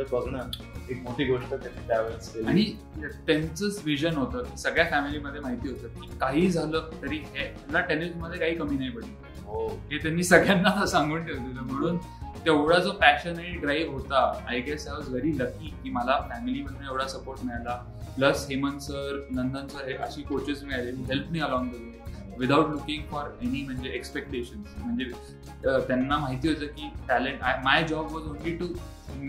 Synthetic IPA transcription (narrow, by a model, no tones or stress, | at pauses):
əbəɡɳə | ek̚moʈiːɡoʂʈət̪janːiːʈaʋeseaɽ̃i | t̪ãnt͡sət͡sʋiʑənɦot̪əːisəɡɭjafæmiliməd̪ʱːjemaɦit̪iːɦot̪əːt̪̚miːkaɦiːd͡zʱaləːt̪əɾiːɦe | laʈenisməd̪ʱːjekaɦiːkəmiːnaipəɽiː | oɦet̪anːiːsəɡɭjanːasãŋɡuːɳʈ̪ʰeʋt̪iləm̤əɽ̃uːn | t̪eʋɽad͡zofæɕənaiɖɾaiʋɦot̪aa̰jɡɛsajʋɔzʋeɾiləkːiːkiːməlafæmiliːm̤əɽ̃uːeʋɽasəpoɾʈmiɭala | pləsɦemənsəɾnənd̪ãnt͡səɦeʔəɕiːkot͡ɕəzmiɭaleɦiɦelpmiːəlɔ̃ŋɡd̪əd̪e | ʋid̪awʈlukɪ̃ŋɡfɔɾenim̤əɳd͡zeʔekspek̚ʈeɕənsm̤əɳd͡ze | t̪janːamaɦit̪iːɦot̪əːkiːʈæleɳʈajmajd͡ʑɔbʋɔzõnliʈu